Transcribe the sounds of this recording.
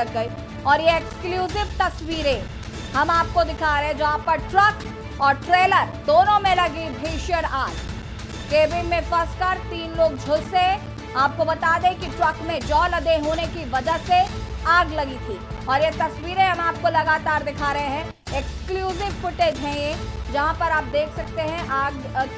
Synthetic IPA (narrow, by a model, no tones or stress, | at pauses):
ɐːɐi | ɔːɾjeekskljuːzɪʋt̪ɐswiːɾẽ | hɐmaːp̚kod̪ɪkʰaːɾɐɦɛ̃d͡ʒɐɦãːpɐɾʈɾɐk | ɔːɾʈɾeːləɾd̪oːnõmẽlɐɡibʱeːʃjəɾaːd͡ʒ | keːbɪnmẽfɐskaːɾt̪iːnloːɡ̚d͡ʒʱʊlse | aːp̚kobɐt̪aːd̪ẽkiʈɾɐkmẽd͡ʒɔːlɐd̪eɦoːnekiʋɐd͡ʒəɦseaːɡlɐɡit̪ʰiː | ɔːɾjet̪ɐswiːɾẽɦɐmaːp̚kolɐɡaːt̪aːɾd̪ɪkʰaːɾɐɦẽɦɛ̃ | ɪkskljuːzɪʋfʊʈed͡ʒɦɛ̃jed͡ʒɐɦãpɐɾaːp̚d̪eːkʰsɐk̚t̪eɦɛ̃ʔaːɡ